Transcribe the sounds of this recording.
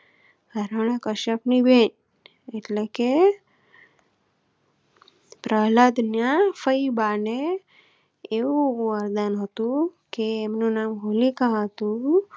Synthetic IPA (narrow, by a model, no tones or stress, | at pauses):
əɾəɽ̃akəʃəpniben | eʈleke | pɾəlad̪njafəibane | eʋũʋəɾd̪anɦət̪ũkeːmnũnamɦolikaɦət̪ũ